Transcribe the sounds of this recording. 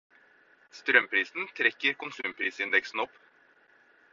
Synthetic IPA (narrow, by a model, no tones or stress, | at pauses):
st̪ɾœmpʰɾiːsn̩t̪ʰɾɛkːəɾkʊnsʉːmpʰɾiːsɪnd̪ɛksn̩ɔpː